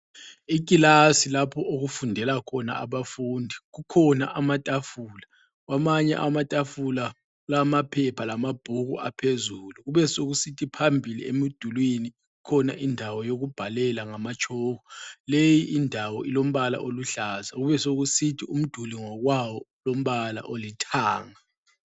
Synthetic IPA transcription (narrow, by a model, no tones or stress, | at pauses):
ik̬ʼilasilapʰɔʔoɣufundʱɛlakʰɔna̰ʔaβafuːndʱiɣukʰɔna̰ʔamatʼafuːla | ɣwamaɲɛ̰ʔamatʼafula | lamapʰɛpʰalamab̥ʱuɣṵa̰pʰezuːluɣuβɛsoɣusitʰipʰambʱilḭḛmid̥ʱulwini | ɣukʰɔna̰ʔindʱawɔjoɣub̥ʱalɛlaŋamat͡ʃʼʰɔːɣɔlejiʔindʱawɔilom̩βala̰ʔoluɬaːzaɣuβɛsoɣusitʰium̩d̥ʱuliŋɔɣwawɔlom̩βala̰ʔolitʰaːŋa